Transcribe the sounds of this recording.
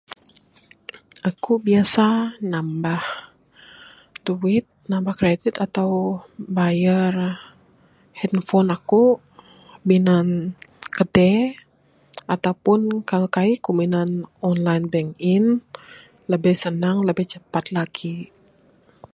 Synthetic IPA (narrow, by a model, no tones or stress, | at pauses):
akubiasanambah | t̪uɪt̪̚nambahkɾedɪt̪at̪awbajar | hɛnfɔnaku | binankədɛ | at̪awpʊnkalkaikuminanɔnlajnbɛŋɪn | ləbɛhsənaŋləbɛht͡ʃəpat̪̚laɡ̥i